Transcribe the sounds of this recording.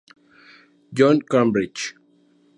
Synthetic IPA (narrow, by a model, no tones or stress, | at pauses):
d͡ʒɔ̃nkãmbɹid͡ʒ